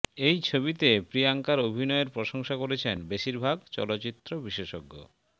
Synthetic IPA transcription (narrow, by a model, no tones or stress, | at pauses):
ejt͡ɕʰoβit̪epɾiaŋkaɾobʱinɔeɾpɾoʃoŋʃakoɾet͡ɕʰenbeʃiɾbʱaɡt͡ɕɔ̰lot͡ɕit̪ːɾobiʃeʃoɡːo̰